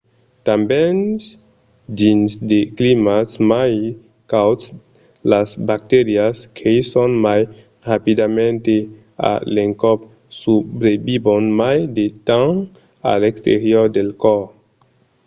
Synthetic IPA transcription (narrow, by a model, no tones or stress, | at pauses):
tambɛns | dinsdeklimasmaj | kawts | lasbak̚t̪eɾiaskʰeisonmaj | ʁapidamente | a̰leŋkɔp̚ | subɾebibonmajdetaŋ | a̰lekst̪ḛɾiɔɾdelkɔɾ